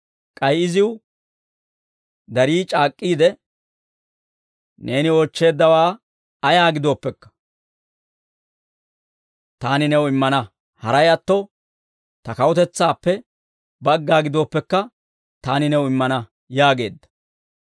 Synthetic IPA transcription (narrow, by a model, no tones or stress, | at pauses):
kʼɐjɪzɪw | d̪ɐɾiːt͡ʃʼaːkʼːiːd̪ɛ | ne̞ːnɪɔt͡ʃːe̞ːd̪ːɐwaː | ɐjaːɡɪd̪o̞ːpːɛkːɐ̥ | t̪aːnɪnɛwɪmːɐnɐ | hɐɾɐjɐt̪ːɔ | t̪ɐkɐwɔt̪ɛt͡sːaːpːɛ | bɐɡːaːɡɪd̪o̞ːpːɛkːɐ | t̪aːnɪnɛwɪmːɐnɐ | jaːɡe̞ːd̪ːɐ̥